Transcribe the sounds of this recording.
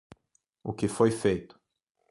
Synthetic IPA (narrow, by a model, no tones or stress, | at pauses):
ʊkɪfojfejt̪ʊ̥